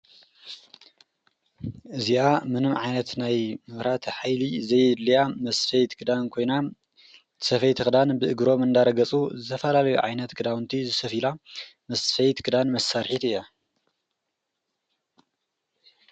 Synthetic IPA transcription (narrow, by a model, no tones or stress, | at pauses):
ʔɨziʔamɨnɨmʕajnɐt̪najmɨβɾat̪ħajlizɐjd̪lijamɐsfɐjt̪kʰɨd̪ankʰo̞jna | ɨsɐfɐjt̪ʰɨxɨd̪anbɨʔɨɡɾo̞mɨnd̪aɾɐɡɐt͡sʼuzɨt̪ʰɐfɐlalɐjuʕajnɐt̪kʰɨd̪awnt̪ʰizɨsɐfilamɐsfɐjt̪kʰɨd̪anmɐsːaɾħit̪ɨjːa